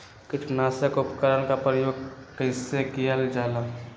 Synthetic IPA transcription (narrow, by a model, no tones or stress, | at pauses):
kɪt͡ʃʰnaːsekʊpkəɾənkapɾəjoːɡ̚kəɪsekijald͡ʒaːlaː